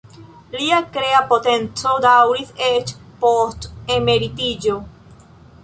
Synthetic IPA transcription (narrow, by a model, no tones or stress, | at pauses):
liakɾeapot̪ent͡sod̪awɾiset͡ʃpost̪emeɾit̪id͡ʒo